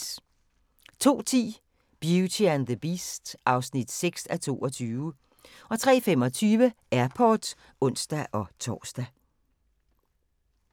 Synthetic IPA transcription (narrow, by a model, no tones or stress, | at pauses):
t͡sʰo̝̰ːt͡sʰḭː | b̥jut͡sʰiænðəb̥iːsd̥ʔɑ̈ʊsnid̥seɡ̥sæt͡sʰo̝̰ːɒ̽t͡sʰyːʊ | ʔɒ̽t͡sʰʁɛ̰ːfem̰ɒ̽t͡sʰyːʋə | æɐpʰɒːd̥ | ɔ̽n̰sd̥æʔɒ̽t͡sʰɒ̰ːsd̥æ